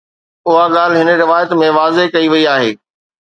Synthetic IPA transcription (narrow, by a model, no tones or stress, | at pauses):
ʊɦaɠaːl̤ɪɦɪnə̆ɾɪʋaːjət̪mẽʋaːzekɐiʋɐiaːɦḛː